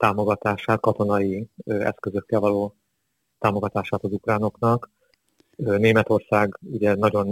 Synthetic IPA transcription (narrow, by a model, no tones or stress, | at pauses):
t̪aːmo̞ɡɒt̪aːʃaːt̪̚kɒt̪o̞nɒjiɛ̰skøzø̞kːɛlvɒloː | t̪aːmo̞ɡɒt̪aːʃaːt̪ɒzukraːno̞knɒkː | neːmɛt̪o̞rsaːɡuɟɛnɒɟo̞n